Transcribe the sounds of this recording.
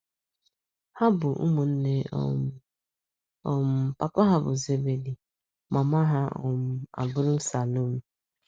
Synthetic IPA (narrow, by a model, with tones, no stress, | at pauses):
ha˦bʊ˨ʔṵ˦mu˨n̩˦ne˦ | ɔ˨m̩˨pa˨pʊ˦ɦa˦bʊ̰˨ze˦be˨di˨ | ma˨ma˦ɦa˦ɔ̰˨m̩˦a̰˨bʊ˦ɾʊ˦n̩˦sa˨no˦mu˦